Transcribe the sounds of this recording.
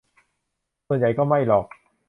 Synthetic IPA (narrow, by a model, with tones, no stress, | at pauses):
u˧njɐ˨˧jkɔː˥˩mɐ˥˩jlɔː˨˩k̚